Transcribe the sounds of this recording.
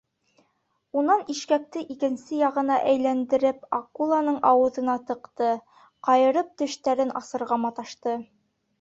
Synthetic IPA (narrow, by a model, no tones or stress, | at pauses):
unɑniʃkæk̚t̪ɘʔikɘ̆nsɘjɑʁɤ̆nɑʔæjlænd̪ɘ̆ɾɘpɑqulˠɑnɤɴɑwɤ̆ðɤ̆nɑt̪ɤ̆qt̪ɤ | qɑjɤ̆ɾɤp̚t̪ɵ̆ʃt̪æɾɘnʔɑsɤ̆ɾʁɑmɑt̪ɑʃt̪ɤ